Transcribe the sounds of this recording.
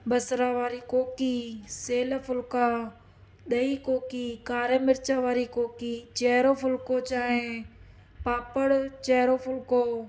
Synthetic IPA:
bəsɾaːʋaːɾiːkoːkiːseːləfʰʊlkaː | ɗ̪ɐiːkoːkiːkaːɾəmɪɾt͡ʃaːʋaːɾikoːkiːt͡ʃɛːɾoːpʊlkoːt͡ʃaːɦẽː | paːpəɽt͡ʃɛːɾoːpʰʊlkoː

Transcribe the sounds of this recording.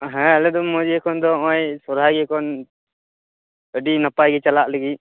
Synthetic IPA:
ɦɛ̃ɛlɛd̪ɔmɔd͡ʒiɛkɔnd̪ɔɔ̃jsɔɾɦaɡɛkɔn | əɖinapajɡɛt͡ʃalaʔləɡi

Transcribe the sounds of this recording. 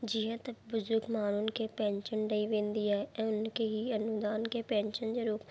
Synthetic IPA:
d͡ʒɪɦə̃t̪ɐbʊzʊɾɡmaːnʊnkepɛ̃ːɲʃənɖɐiʋẽːnd̪iːaːɛʔɛ̃ːʊnkeɦiɐnʊd̪aːnkepɛ̃ːɲʃənd͡ʑeɾoːp

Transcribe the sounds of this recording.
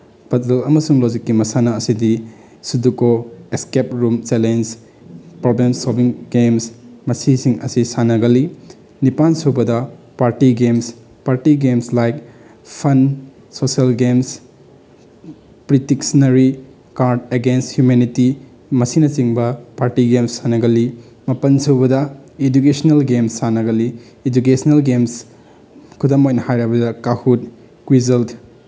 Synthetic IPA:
pɐtelɐmɐsuŋlod͡ʒikːimɐsanɐːsidi | sudukoeskep̚ɾumt͡ʃelens | pɾoblemsolbiŋɡemsmɐsisiŋɐsisanɐɡɐli | nipansubɐdɐ | paɾtiɡems | paɾtiɡemslajk | pʰɐn | soselɡems | pɾitiksnɐɾi | kaɾdeɡensthjumeniti | mɐsinɐt͡ʃiŋbɐpaɾtiɡemsːanɐɡɐli | mɐpɐnsuwbɐdɐed͡ʒukesɐnelɡemsːanɐɡɐliː | d͡ʒuk̬esnelɡems | kʰudɐmojnɐhajɾabɐdɐkahut̚ | kwizɐlt

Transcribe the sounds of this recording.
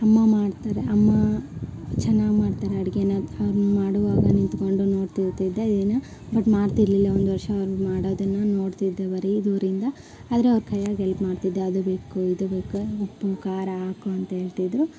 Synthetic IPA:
ɐmːɐmaːɽt̪aːɾeʔɐmːɐ | t͡ʃɛnːaːɡmaːɽt̪aːɾeɐɽiɡeːnɐɐʋɐɾmaːɽuʋaːɡɐnint̪koɳɖuno̞ːɽt̪iɾt̪id̪ːeid̪ɐnːɐ | bɐʈːmaːɽt̪iɾlilːɐond̪uʋɐɾʂɐːʋɾumaːɽoːd̪ɐnːɐno̞ːɽt̪id̪ːeʋɐɾid̪uːɾind̪ɐ | aːd̪ɐɾeɐʋɾkʰɐjaɡɛlpmaːɖt̪id̪ːeɐd̪ubeːkuid̪ubeːkuupːukaːɾɐaːkuɐnt̪ɐɦe̞ːɭt̪id̪ɾu

